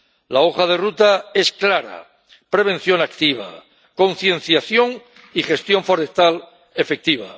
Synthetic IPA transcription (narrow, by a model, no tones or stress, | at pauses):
lao̞χað̞e̞rut̪ae̞sklaɾa̰ | pɾe̞β̞e̞n̟θjo̞nakt̪iβ̞a̰ | ko̞nθje̞n̟θjaθjo̞ŋ | ixe̞st̪jo̞ɱfo̞ɾe̞st̪al | e̞fe̞k̚t̪iβ̞a̰